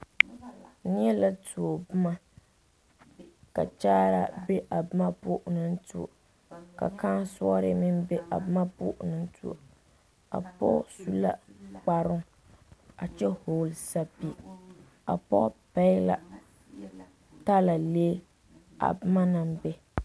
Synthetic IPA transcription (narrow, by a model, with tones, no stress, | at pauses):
n˦ɛ˦la˦tu˨o˨bɨ˦ma˦ | ka̰˨t͡ʃaː˦ɾa̰˨be˦ʔa˨bɨ˦ma˦pʊ˦ʔnɨ˦n̩˦tṵ˨o̰˨ | ka̰˨ka˦nsɔ˦ɾɪ̰˦mɪ˦nbe˦ʔa̰˨bɨ˦ma˦pʊ̰˦ʔʊ˨nɨ˨n̩˦tṵ˨o̰˨ | a̰˨pɔ̰˦su˦la̰˦k͡pa˨ɾʊ˦ŋ | a˨t͡ʃɛ˦ho˨lsa˦pi˨ | a̰˨pɔ˦pa˦ɪ˦la̰˨ | ta˦la˨leː˦ | a̰˨bɨ˦ma˦nɨ˨mbɛ˦